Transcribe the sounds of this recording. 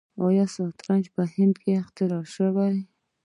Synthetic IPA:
ɑjɑsɑt̪ɾand͡ʒpəhɪnd̪keɪxt̪ɪɾɑɾʃəwaj

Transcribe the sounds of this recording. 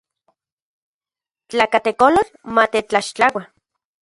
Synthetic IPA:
t͡ɬaːkat̪ekololmat̪et͡ɬaʃt͡ɬawa

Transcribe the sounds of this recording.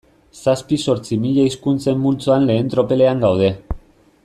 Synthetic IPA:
saspiso̞ɾt͡simiʎaiskunt͡se̞mːunt͡soanle̞ːnt̪ɾo̞pe̞le̞aŋɡawð̞e̞

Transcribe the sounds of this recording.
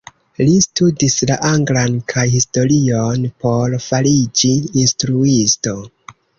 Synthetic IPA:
listudislaʔaŋɡlankʰajhisto̞ɾio̞npo̞ɾfalid͡ʒiːnstɾuisto̞

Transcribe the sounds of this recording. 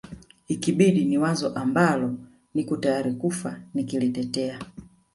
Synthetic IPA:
ikiɓiɗiniwazɔʔambalɔ | nikutajaɾikufanikilitɛtɛa

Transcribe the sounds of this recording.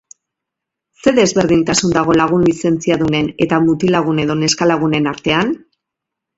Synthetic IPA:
se̞ðe̞zβe̞ɾðint̪asund̪aɣ̞o̞laɣ̞unbise̞nt͡siaðune̞ne̞t̪amut̪ilaɣ̞une̞ðo̞ne̞skalaɣ̞une̞naɾt̪e̞an

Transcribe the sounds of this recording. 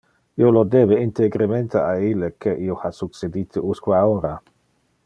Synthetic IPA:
iolod̪eːbeint̪eɡɾement̪eailːekʰeʔiohasuksed̪it̪ʰeuskwaoɾa

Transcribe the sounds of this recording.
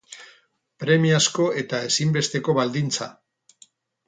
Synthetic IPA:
pɾe̞miasko̞e̞t̪ae̞simbe̞st̪e̞ko̞βald̪int͡sa̰

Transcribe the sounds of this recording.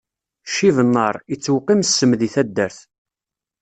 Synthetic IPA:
ʃivənːəɾˤit͡sːwqːimsːəmðiθæd̪ːəɾθ

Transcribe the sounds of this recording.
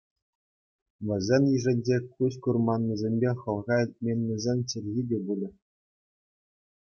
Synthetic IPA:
ʋʲɘ̆zʲenʲjiʐɘ̆nʲd͡ʑʲekuɕ̬kurmɑnːɤ̆zʲemʲbʲeχɤ̆lˠʁɑelʲt̪̚ʲmʲenʲːɘ̆zʲenʲt͡ɕɘ̆rʲɣʲidʲebulʲɘ̆

